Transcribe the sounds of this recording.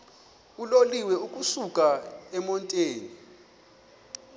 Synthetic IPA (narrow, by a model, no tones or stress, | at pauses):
uloliwɛukʼusukʼaɛmɔntʼeːni